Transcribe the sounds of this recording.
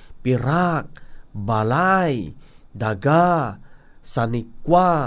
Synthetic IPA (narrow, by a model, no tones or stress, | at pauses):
piɾak̚balajdaɡa | sanikwa